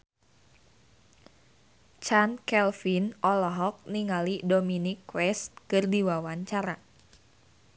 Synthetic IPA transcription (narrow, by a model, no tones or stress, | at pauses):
t͡ʃankɛlfinɔlɔɦɔk̚niŋalidominikːwɛst̪̚kɨrdiwawaɲt͡ʃaɾa